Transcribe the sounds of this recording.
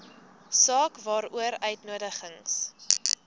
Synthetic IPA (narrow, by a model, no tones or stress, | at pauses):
sɑːkvɑːɾuəɾœɥtnuədəχəŋs